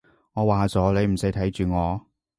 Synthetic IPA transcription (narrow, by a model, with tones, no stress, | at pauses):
ŋɔː˨˧waː˨t͡sɔː˨˥le˨˧jm̩˨˩sɐ˨˥jt̪ʰɐ˨˥jt͡ʃyː˨ŋɔː˨˧